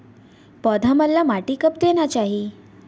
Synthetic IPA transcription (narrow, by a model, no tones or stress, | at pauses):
pɔd̪ʱaməlːamaʈikəp̚d̪enjat͡ɕaɦi